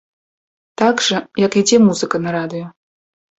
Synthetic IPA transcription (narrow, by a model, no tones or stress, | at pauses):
t̪aɡʐɐjakid͡zʲɛmuzɨkɐnɐɾad̪ɨjɔ